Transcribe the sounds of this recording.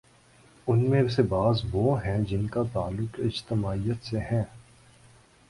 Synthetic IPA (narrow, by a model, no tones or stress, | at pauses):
ʊnmẽʋsebaːzʋoːɦɛ̃d͡ʒɪnkat̪aːlːʊqɪd͡ʒt̪ɪmaːijət̪seɦɛ̃ː